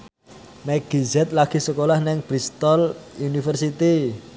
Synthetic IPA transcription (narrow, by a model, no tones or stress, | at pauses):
mɛɡ̥izɛt̪̚laɡ̥i̤səkolahnɪŋb̥ɾist̪ɔlunifərsit̪i